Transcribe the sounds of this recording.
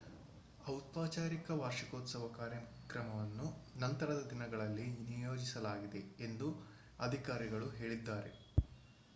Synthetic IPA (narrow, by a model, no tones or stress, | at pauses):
ɐwt̪paːt͡ʃaːɾikɐʋaːɾʃikoːt̪sɐʋɐkaːɾjɐkɾɐmɐʋɐnːunɐnt̪ɐɾɐd̪ɐd̪inɐɡɐɭɐlːinijo̞ːd͡ʒisɐlaːɡid̪e̞end̪u | ɐd̪ʱikaːɾiɡɐɭuɦe̞ːɭid̪ːaːɾe̞̰